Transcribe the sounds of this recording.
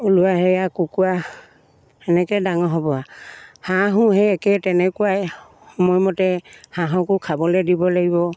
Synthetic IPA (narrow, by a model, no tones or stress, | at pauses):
uluaɦɛjakukua | ɛnɛkɛdaŋɔɦɔbɔahãɦʊ̃ɦɛɛkɛtɛnɛkuwaj | hɔmɔjmɔtɛhãɦãkʊkʰabɔlɛdibɔlaɡibɔ